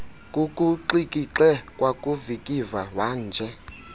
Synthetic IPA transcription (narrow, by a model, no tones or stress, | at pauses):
kʼukʼuǃikʼiǁɛkʼwakʼuvikʼivawaːnd͡ʒʱɛ